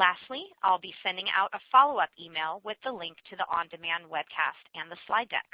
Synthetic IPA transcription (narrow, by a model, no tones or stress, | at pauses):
læstˡlia̰ɪlˠbisɛ̃ndɪ̃ŋa̰ʊɾʔəfɑlˠoʊʌpimeɪlˠwɪðəlɪ̃ŋk̚tʰɨðiʔɑ̃ndɨmæ̃nd̚wɛb̥̚kʰæ̰stɨ̃nðəslaɪdɛ̰k